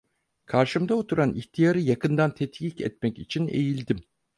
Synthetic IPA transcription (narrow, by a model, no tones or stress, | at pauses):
kʰaɾʃɯmd̪aot̪ʰuɾaniçt̪ʰijaɾɯjakʰɯnd̪ant̪ʰɛt̪jicɛ̰t̪mɛcit͡ʃʰine̞̰jilʲd̪im